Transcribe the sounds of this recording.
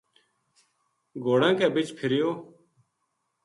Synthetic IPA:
ɡoːɽãːkɛːbɪt͡ʃpʰɪɾɪjoː

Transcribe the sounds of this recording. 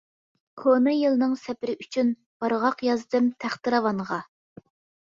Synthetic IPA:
kʰonɨjɨlˠɨnɨŋsɛpɪɾɪʔyt͡ʃʰyn | b̥ɑɾʁɑqjɑzd̪ɨmt̪ʰæχt̪ɨɾɑwɑɴʁɑ

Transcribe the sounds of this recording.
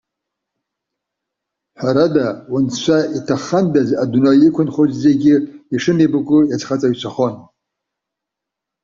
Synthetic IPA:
ħʷaɾadawʊnʃʷaitʰaχandazadnajɪkʷʰʊnχozze̞ɡʲɪiʂɨnebɨkʷʼʊjat͡sʰχat͡sʼaɥt͡ʃʷʰaχon

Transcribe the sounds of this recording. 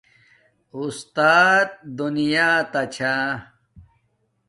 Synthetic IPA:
ust̪aːt̪̚d̪unijaːt̪ɐt͡ɕʰaː

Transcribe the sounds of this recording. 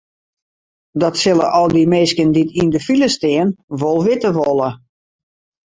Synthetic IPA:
dɔtsɪlˠə̰ʔɔlˠdimeːskənditʰindəfiləstɪənʋolˠʋɪtəʋɔlˠə

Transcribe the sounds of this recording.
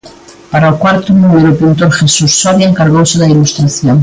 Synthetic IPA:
paɾalkwaɾt̪onũmeɾopint̪o̞ɾxe̞susːaβjaeŋkaɾɣowseðailust̪ɾaθjoŋ

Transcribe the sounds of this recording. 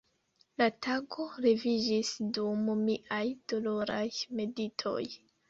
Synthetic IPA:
latʰaɡo̞ɾevid͡ʒisdummiʔajd̥o̞lo̞ɾajme̞ditʰo̞̰j

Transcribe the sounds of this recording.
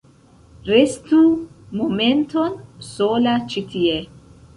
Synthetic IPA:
ɾe̞stu | mo̞me̞nto̞nso̞lat͡ʃitʰie

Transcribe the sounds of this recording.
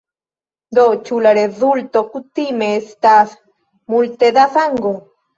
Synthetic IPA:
nd̪ot͡ʃulaɾeðult̪okut̪imest̪aθ | mult̪ed̪aθaŋɡo

